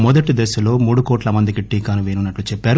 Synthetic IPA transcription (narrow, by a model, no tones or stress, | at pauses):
mɔd̪ɐʈid̪ɛsɐlo̞ːmuːɽukoːʈlɐmɐnd̪ikiʈːiːkaːnuʋeːnunːɐʈːut͡ʃɛpːaːɾu